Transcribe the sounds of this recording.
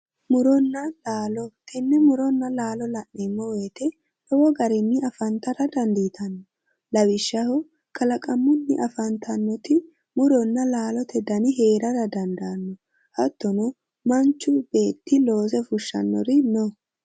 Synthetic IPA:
mʊɾɔnːɐlaːlɔt̪ʰɛnːɛmʊɾɔnːɐlaːlɔlɐʔːɪmːɔweːt̪ɛ | t̪ɔwɔɡɐɾɪnːɪɐfɐnt̪ɐɾɐd̪ɐnd̪iːt̪ʰɐnːɔ | lɐwɪʃːɐhɔ | kʰɐlɐkʼɐmːʊnːɪ̰ʔɐfɐnt̪ʰɐnːɔt̪ɪ | mʊɾɔnːɐlaːlɔt̪ɛd̪ɐnɪɦeːɾɐɾɐd̪ɐnd̪aːnːɔ | hɐt̪ːɔnɔ | mɐnt͡ʃːʊbe̞ːt̪ːɪlo̞ːzɛfʊʃːɐ̰nːɔ̰ɾɪnɔ

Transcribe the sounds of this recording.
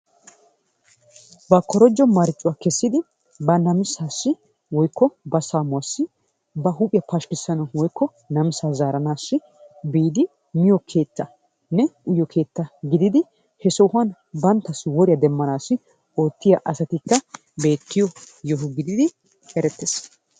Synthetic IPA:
bɐkːɔɾɔd͡ʒːɔmɐɾɪt͡ʃʼːʊwakɛsːɪd̪ɪ | bɐnɐmɪsaːsːɪ | wɔjkʰːɔbɐsaːmʊwɐsːɪ | bɐɦʊpʼɪjɐpɐʃkɪsːɐnɐwɔjkʰːɔ | nɐmɪsaːzaːɾɐnaːsːɪ | biːd̪ɪ | mɪjɔkʰe̞ːt̪ːɐ | nɛʊjɔkʰe̞ːt̪ːɐɡɪd̪ɪd̪ɪ | hɛsɔwhwɐn | bɐnt̪ːɐswɔɾɪjɐd̪ɛmːɐnaːsːɪ | o̞ːt̪ːɪjɐʔɐsɐt̪ɪkːɐ | be̞ːt̪ːɪjɔ | jɔɦʊɡɪd̪ɪd̪ɪ | ɛɾɛt̪ːes

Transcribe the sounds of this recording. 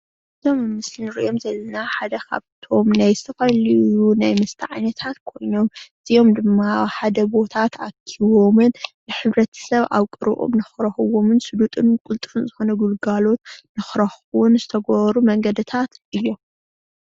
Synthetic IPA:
ɨzʰommːɨsinɨɾḭʔo̞mzɐlːɐnaħad̪ɐkʰa̰βt̪ʰo̞mnajzɨt̪ʰɐfɐliunajmɐst̪ʰɨʕajnɐt̪ʰat̪kʰo̞jno̞mʔɨzijo̞md̪ɨmːaħad̪ɐbo̞t̪ʰat̪akʰiβo̞mɨnbɨħɨβɾɐt̪ʰɐ̥sɐβʔa̰βkʼɨɾɨ̰ʔo̰mnɨxɾɐxɨwo̞mɨnsɨd̪ut̪ʼɨnkʼult̪ʼɨɾɨnzɨxo̞nɐɡulɡalo̞t̪nɨxɾɐxuwʊnzɨt̪ʰɐɡoβɐɾumɐŋɡɐd̪ɨt̪ʰat̪ʔɨjːo̞m

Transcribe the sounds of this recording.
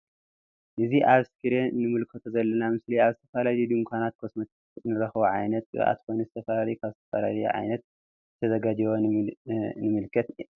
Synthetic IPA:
ʔɨziʔaβskɨɾenɨmɨlkʰɐt̪ʰozɐlːɐnamɨsliaβzɨt̪ʰɐfalalid̪umkʷʰanat̪̚kʰosmɐt̪ʰatnɨɾɐxβoʕajnɐt̪̚ʼɨɣ̰ʔa̰t̪kojnuzɨt̪ʰɐfalalijukʰaβzɨt̪ʰɐfa̰la̰lɐj̰ʕa̰jnɐt̪̚ | zɨt̪ʰɐzɐɡad͡ʒiwo | nɨmɨlkʰɐt̪

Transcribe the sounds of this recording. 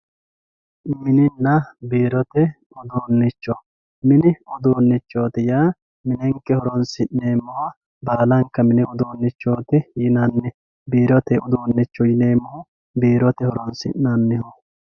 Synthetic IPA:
mɪnɪnːɐbiːɾɔt̪ɛ | ʊd̪uːnːɪt͡ʃːɔ | mɪnɪʊd̪uːnːɪt͡ʃːo̞ːt̪ɪjaː | mɪnɛŋkːɛhɔɾɔnsɪnneːmːɔhɐ | baːlɐŋkːɐmɪnɪʊd̪uːnːɪt͡ʃːoːt̪ɪjɪnɐnːɪ | biːɾɔt̪ɛʊd̪uːnːɪt͡ʃːɔjɪneːmːɔhʊ | biːɾɔt̪ɛhɔɾɔnsɪ̰nnɐnːɪhɔ

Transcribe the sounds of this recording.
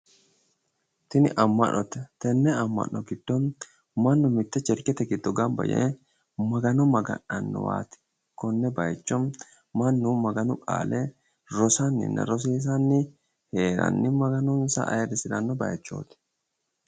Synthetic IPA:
t̪ɪnɪʔɐmːɐʔnːʔɔt̪ɛt̪ɛnːɛɐmːɐ̰ʔːɔɡɪd̪̥ːɔm | mɐnːʊmɪt̪ːɛt͡ʃːɛɾkɛt̪ɛɡɪd̪ːɔɡɐmbɐ̰jḛː | mɐɡɐnɔmɐɡɐ̰nɐnːɔ̰wa̰ːt̪ɪ̥ | kɔnːɛbɐjɛt͡ʃːɔm | mɐnːʊmɐɡɐnʊkʼa̰ːle | ɾɔsanːɪ̰nːɐ̰ɾɔs̬iːs̬anːɪ | heːɾɐ̰nːɪmɐɡɐnɔnsa̰ʔɐ̰ɛrːɪsɪɾɐnːɔbɐjɛt͡ʃːo̰ːt̪ɛ̥

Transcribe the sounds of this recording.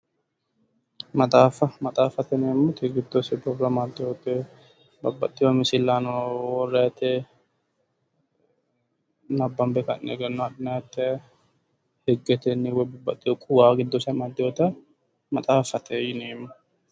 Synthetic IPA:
mɐt̪ʼaːfɐmɐt̪ʼaːfɐt̪ɛneːmːʊt̪ʰɛɡɪd̪ːosɛpɾɔbɾɐmad̪ːɪot̪ɛ | bɐbːɐt̪ʼːɪjɔmɪsɪlːanɔwɔrːɛɐt̪ɛ | nɐbːɐmbɛkɐnnḛɡɐnːɔɐᶑɪnat̪ːɛ | hɛɡːɛt̪ɛnːɪwɛbɐbːɐt̪ʼːɪjɔkʼʊwaːɡɪd̪ːosɛmad̪ːɪjot̪ɐ | mɐt̪ʼaːfɐt̪ʰɛjɪneːmːɐ

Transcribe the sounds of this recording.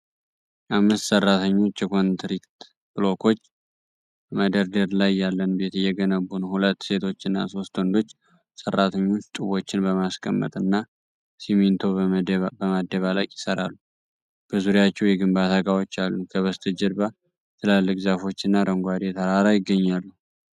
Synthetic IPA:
ʔamːɨst̪sərːat̪ʰəɲːo̞t͡ʃːjɛkʰont̪ʰɾikt̪ | b̥lo̞kʰo̞t͡ʃː | məd̪əɾd̪əɾlajːalːənbet̪ɨjːɛɡənəβːunhulət̪ːse̞t̪ʰo̞t͡ʃːɨnːa̰so̞st̪wɔnd̪o̞t͡ʃː | sərːat̪ʰəɲːo̞t͡ʃːt̪ʼuβo̞t͡ʃːɪnbəmaskʼʰəmːə̰t̪ʼɨnːa | simint̪ʰo̞bəmad̪ːəβalakʼjɪsəɾa̰lːu | b̥əzuɾjat͡ʃːɛwjɛɡɨmbat̪ʰaɡawot͡ʃːalːukʰəβəst̪ʰɨd͡ʒɛɾba | t̪ʰɨlalːɨkzafo̞t͡ʃːɨnːaɾəŋɡʷad̪et̪ʰəɾaɾajɪɡːəɲːalːu

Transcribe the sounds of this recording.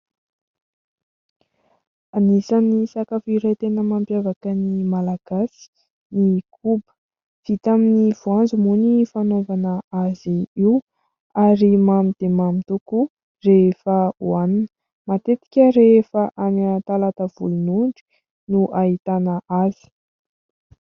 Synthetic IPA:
anisanisakafiɾat̪enəmampjavakənimalaɡ̥asi̥ | nikʰubə̥ | v̥it̪aminiv̥uand͡zumunifanovanəaziiu | aɾimamid̪̥emamit̪uku | refəuaninə | mat̪et̪i̥kʲəɾefəʔanat̪alat̪əv̥ṵlunuɳɖ͡ʐi̥ | nuʔaɦit̪anəʔazi̥

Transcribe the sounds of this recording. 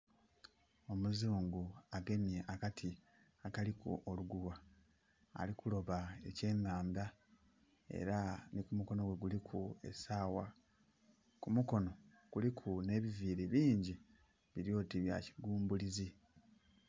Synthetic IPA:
o̞muzuːŋɡuaɡe̞nijeʔakatʰi | akalikṵʔoluɡuwa̰ː | likulo̞βae̞ce̞ːŋaːmba | e̞̰ɾanikumuko̞no̞ɡwe̞ɡulikʰue̞̰saːwa | kumuko̞no̞ | ɡ̥ulikʰune̞ːβiviːɾiβiːɲɟi | βiɾjo̞ːtiβja̰ci̥ɡuːmbulizi

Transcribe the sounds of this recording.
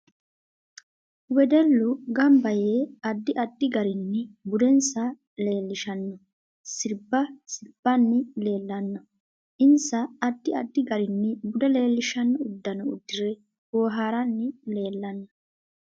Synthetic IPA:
wɛd̪ɛlːʊɡɐmbɐjeːɐd̪ːɪʔɐd̪ːɪɡɐɾɪnːɪbʊd̪ɛnsɐ | le̞ːlːɪʃɐnːɔ | sɪɾbːɐsɪɾb̥ːɐnːɪle̞ːlːɐnːɐ | ʔɪnsɐːd̪ːɪɐd̪ːɪɡɐɾɪnːɪbʊd̪ɛle̞ːlːɪʃɐnːɔʊd̪ːɐnɔʊ̰d̪ːɪɾɛ | woːɦaːɾɐnːɪle̞ːlːɐnːɐ

